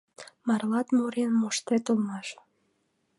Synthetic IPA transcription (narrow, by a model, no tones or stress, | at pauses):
mɑrlɑt̪muɾenmoʃt̪et̪olmɑʃ